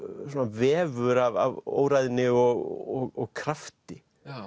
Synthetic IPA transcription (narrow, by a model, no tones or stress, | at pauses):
soɔːnavɛːvʏɾava̰vo̰ːwɾajðɪnɪɔɣɔɣɔɣkʰɾaft̪ɪ